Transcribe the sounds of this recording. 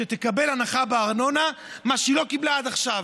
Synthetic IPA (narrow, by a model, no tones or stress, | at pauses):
et̪ekabe̞lanaχabeaʁno̞namaʃilo̞kiblaad̪aχʃav